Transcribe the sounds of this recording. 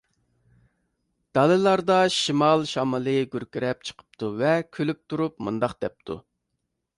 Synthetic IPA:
d̪̥ɑlˠɨlˠɑɾd̪ɑʃimɑlˠʃɑmɨlˠɨɡʲyɾkʲyɾɛp̚t͡ʃʰə̥qʰə̥p̚t̪ʰuvɛkʲʰølyp̚t̪ʰuɾupmund̪ɑqd̪̥ɛp̚t̪ʰṵ

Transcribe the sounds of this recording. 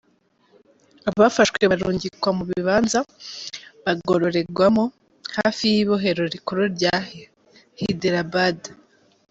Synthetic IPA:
aβafaʃwe̞βaɾuːɲɟikwamuβiiβaːnza | βaɡoɾo̞ɾe̞ɡwamo | haːfijiβo̞ɦe̞ɾo̞ɾikoɾoɾɟaːhe | hideɾabada

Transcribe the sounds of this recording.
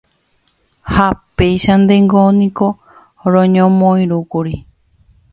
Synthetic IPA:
hapejʃand̪eŋɡonĩko̞ | ɾõɲõmõĩɾukuɾi

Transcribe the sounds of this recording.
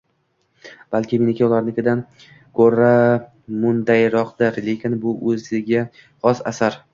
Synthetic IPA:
b̥alkʲɪmenɪkʲʰaʊlˠaɾnɪkʰʲɪd̪an | kʰoɾa | mʊnd̪ajɾɒqd̪ɪɾle̞kʲɪnbʊʔɵzɪɡʲa | χɒsa̰saɾ

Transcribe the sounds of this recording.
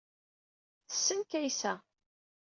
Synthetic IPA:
θə̥sːənkæjsæ

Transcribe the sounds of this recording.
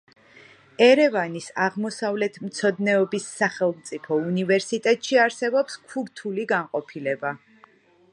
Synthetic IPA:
ɛɾɛvanisaʁmɔsavlɛt̪ʰmt̪sʰɔd̪nɛɔbisːaχɛlˠmt̪sʼipʰɔunivɛɾsit̪ʼɛt̪ʼʃiaɾsɛbɔpskʰuɾt̪ʰuliɡanqʼɔpʰilɛba

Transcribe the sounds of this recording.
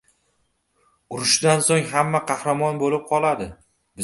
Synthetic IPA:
ʊɾɪʃd̪ansoŋɦamːaqʰɑhɾamɒnbolɪp̚qʰɒlˠad̪ɪ | bɪ

